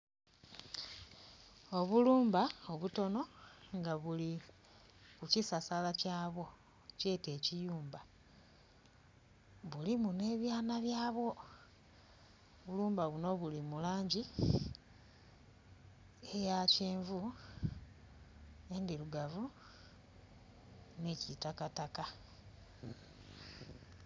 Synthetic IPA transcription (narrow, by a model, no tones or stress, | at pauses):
o̞βuluːmbao̞βuto̞no̞ŋɡaβuli | kucisasalacaːβo̞ | ce̞ːte̞ːcijuːmba | βulimune̞βjaːnaβjaːβwo̞ | βuluːmbaβuno̞βulimulaːɲɟi | ejaceːɱvu | e̞ndiluɡavu | necitakataka